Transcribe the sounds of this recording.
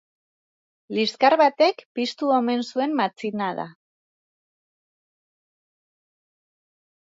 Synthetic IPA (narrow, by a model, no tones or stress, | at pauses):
liskaɾβat̪e̞kpist̪uome̞nsue̞mːat͡sinaða̰